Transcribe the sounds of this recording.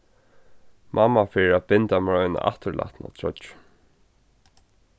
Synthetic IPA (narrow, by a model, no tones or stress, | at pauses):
mʔamːafɪːɾɪæt̪̚pɪnt̪amɾɔʏjna̰ʔaht̪əɹla̰ht̪na̰t̪ʰɹɔ̰t̪